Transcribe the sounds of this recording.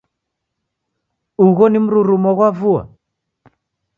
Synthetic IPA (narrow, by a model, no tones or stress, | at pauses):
uɣɔnim̩ɾuɾumɔɣwavua̰